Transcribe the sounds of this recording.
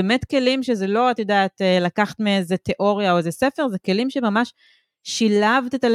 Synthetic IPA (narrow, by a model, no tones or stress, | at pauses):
emetke̞limʃezelo̞atjodaːt̪elakaχḁtmeezet̪e̞ʔo̞ʁijaoezesefe̞ʁzeke̞limʃemamaʃ | ʃilavt̪etal